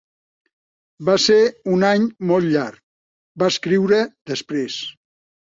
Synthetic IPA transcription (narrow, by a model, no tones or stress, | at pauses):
baseɾunaɲmɔlˠʎaɾk̚ | baəskɾiwɾəðəspɾes